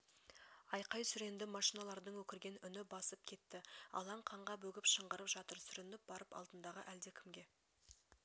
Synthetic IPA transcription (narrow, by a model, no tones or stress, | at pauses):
ɑjqɑjsʏɾe̞nd̪ɪmɑʃinɑlˠɑɾd̪əɴwɵkʲɪɾɡʲe̞nʏnɪbɑsəp̚kʲʰe̞t̪ːɪɑ̰lˠɑɴqʰɑɴʁɑbɵɡʲɪpʃəɴʁəɾəpʒɑt̪əɾsʏɾɪnɪp̚bɑɾəpɑ̰lˠd̪ənd̪ɑʁə̰ʔæld̪e̞kʲʰɪmɡʲe̞